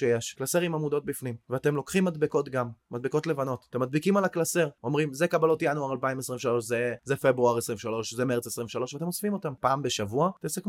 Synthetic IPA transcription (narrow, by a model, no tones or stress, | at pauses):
ʃejeʃklaseʁimamudo̞t̚bifnimveate̞mlo̞kχimːad̪beko̞tɡamːad̪̚beko̞tlevano̞tat̪emːad̪̚bikimalaklase̞ʁo̞mʁimzekabalotjanuaʁalpaimesʁiɱveʃalo̞ʃzezefebʁuaʁesʁimveʃalo̞ʃzemeʁt͡sesʁimveʃalo̞ʃveat̪e̞mosfimo̞tampaːmbe̞ʃavuat̪esek